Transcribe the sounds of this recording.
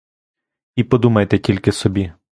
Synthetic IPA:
ipɔd̪umɐjt̪ɛtʲilʲkɪsɔbʲi

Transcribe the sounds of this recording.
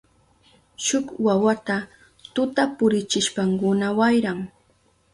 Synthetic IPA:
ʃʊkwawat̪a | t̪ʊt̪apʊɾɪt͡ʃɪʃpaŋkʊnawajɾaŋ

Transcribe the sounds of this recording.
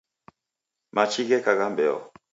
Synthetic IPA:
mat͡ʃiɣɛkaɣambɛɔ̰

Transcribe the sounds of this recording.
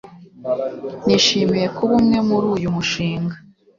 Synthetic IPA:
niʃiːmiɾe̞kuβumŋe̞muɾuːjumuʃiːŋɡa

